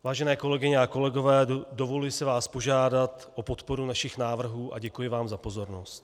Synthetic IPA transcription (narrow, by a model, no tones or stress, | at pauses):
vaːʒɛnɛːko̞lɛɡɪɲɛako̞lɛɡo̞vɛːdo̞voljɪsɪvaːspo̞ʒaːdat̪ʔo̞po̞t̪po̞ɾunaʃɪxnaːvr̩ɦuːʔa̰ɟɛkujɪvaːmzapo̞zo̞ɾno̞st̪